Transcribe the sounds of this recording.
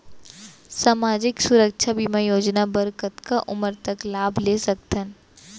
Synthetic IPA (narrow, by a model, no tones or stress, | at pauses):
saːmaːd͡ʒɪksʊɾəkʃʰabimajoːd͡ʒnabəɾkət̪kaʔʊməɾt̪ɐklaːbʱlesɐk̚t̪ən